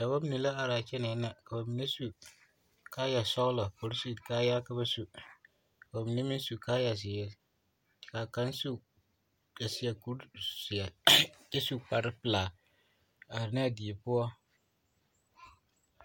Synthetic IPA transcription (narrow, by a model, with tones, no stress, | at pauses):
ka˨ba˦mi˦ni˨la˦a˨ɾaː˨t͡ʃɛ˦nɛ˨˦na˦ka˨ba˨mi˨ne˦su˨ | kaː˦ja˨sɔ˦ɣla˨pʊ˨ɾsu˦˨kaː˦ja˦ka˦ba˦su˦˨ | ka˨ba˨mi˨ne˦mi˦n˦su˨kaː˦ja˨s̬ɪː˨˦ɾ | kaː˨ka˨˦nsu˦ | ka˨sɪ˨a˨ku˦ɾsɪ˨a˨t͡ʃe˦su˦k͡pa˨ɾɪ˦pɪ˨laː˨ | a˨ɾɪ˨n˦a˦˨di˨e˨pʊ˦ɔ˦